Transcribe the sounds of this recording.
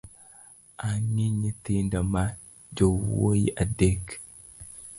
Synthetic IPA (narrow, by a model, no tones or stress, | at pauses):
ʔanːiɲɪt̪iːnd̪ɐma | d͡ʒowo̰jḭʔɐd̪ːeːkː